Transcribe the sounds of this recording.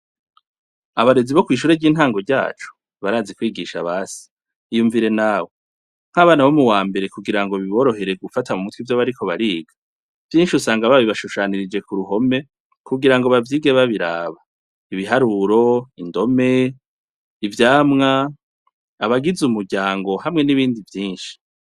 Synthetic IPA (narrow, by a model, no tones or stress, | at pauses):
aβaɾe̞ziβo̞kwiːʃ̬uːɾeɾɟiːn̥haːŋɡo̞ɾɟa̰ːt͡ʃu̥ | βaɾaːzikwiːɡiʃa̰βaːsi̥ | ijuːɱviɾe̞nawo̞ | ŋ̥aβaːnaβomuwaːmbe̞ɾe̞kuɡiɾaŋɡo̞βiβo̞ːɾo̞ɦe̞ɾe̞ɡufatamumutwivjoβaɾiko̞βaɾiːɡḁ | vjiːnʃiusaːŋɡaβaβiβaʃuʃaːniɾid͡ʒe̞kuɾuɦo̞me̞ | kʰuɡiɾaŋɡoβavjiːɡeβaβiɾaːβa | iβiɦaɾuɾo̞indo̞me̞ | ivjaːmŋaː | βaɡizumuɾɟaːŋɡo̞ɦamŋe̞niβiːndivjiːnʃi̥